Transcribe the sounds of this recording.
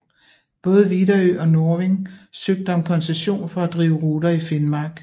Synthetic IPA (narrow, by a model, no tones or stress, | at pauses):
b̥ɔ̽ːð̞̩ˠəʋid̥ɐøʔɒ̽no̝ɐʋeŋsøɡ̥̚d̥əɒmkʰɒ̽nseɕo̝̰ːnfɒ̽æd̥ʁḭːʊəʁuːd̥ɐife̝nmɑ̈ːɡ̥